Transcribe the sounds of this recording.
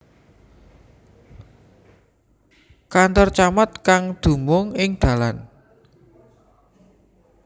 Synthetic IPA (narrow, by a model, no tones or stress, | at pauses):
kant̪ɔrt͡ʃamat̪̚kaŋd̪̥ṳmʊŋɪŋd̪̥ä̤lan